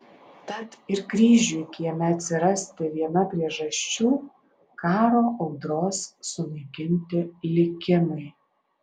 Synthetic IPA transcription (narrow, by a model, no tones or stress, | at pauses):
t̪ɐt̪ɪɾkɾʲiːʒʲuːɪkʲɪjɛmʲɛɐt̪ʲsʲɪɾɐsʲt̪ʲɪʋʲiɛnɐpʲɾʲiɛʒɐsʲt͡ʃʲuː | kɑːɾoːʔɐʊd̪ɾoːsːʊnɐɪkʲɪnʲt̪ʲɪlʲɪkʲɪmɐɪ